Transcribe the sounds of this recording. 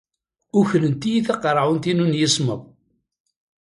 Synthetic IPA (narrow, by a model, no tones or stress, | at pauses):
ʊçlənt̪ijiθɑqɾˤʕunt̪inunjisˤməðˤ